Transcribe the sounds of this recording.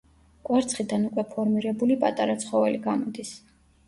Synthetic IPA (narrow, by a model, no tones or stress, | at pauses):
kʼwaɾt̪sʰχid̪anukʼwɛpʰɔɾmiɾɛbulipʼat̪ʼaɾat̪sʰχɔvɛliɡamɔd̪is